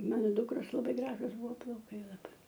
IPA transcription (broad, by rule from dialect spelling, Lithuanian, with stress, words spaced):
ˈmɑːnoː ˈdʊkroːs lˠɐˈbɐɪ ˈɡrɑːʒʊs ˈbʊʋoː plˠɐʊˈkɐɪ lˠɐˈbɐɪ